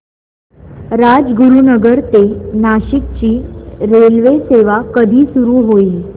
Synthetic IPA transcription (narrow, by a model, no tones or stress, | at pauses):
ɾad͡zɡuɾunəɡəɾt̪enaɕik̚t͡ɕiːɾelʋeseʋakəd̪ʱiːsuɾuːɦoiː